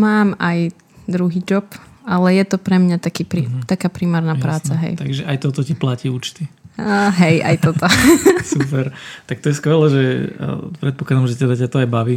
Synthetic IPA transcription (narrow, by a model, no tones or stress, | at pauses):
maːmaj | d̪ɾuɦiːd͡ʒɔp | alɛjɛt̪ɔpɾɛmɲat̪akiːpɾit̪akaːpɾimaːɾnaːpɾaːt͡saɦɛ̰jt̪aɡʒɛʔajt̪ɔt̪ɔciplaciuːt͡ʃt̪iɦɛjʔa̰jt̪ɔt̪ɔsupɛɾt̪ak̚t̪ɔjɛskʋɛlɛʒɛ̰ | pɾɛt̪̚pɔklˠad̪amʒɛt̪ɛd̪acat̪ɔajbaʋi